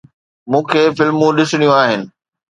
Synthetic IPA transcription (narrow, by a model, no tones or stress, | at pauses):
mũːkʰeːfɪlmũɗɪsɪɽ̃ijũaːɦɪnɪ̆